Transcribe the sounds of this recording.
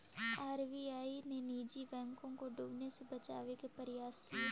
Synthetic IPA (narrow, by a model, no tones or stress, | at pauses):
aːɾʋiːaːineniːd͡ʒibɛ̃ːŋkõkoɖʊbnesebət͡ʃa̰ːʋekepəɾɪjaːskie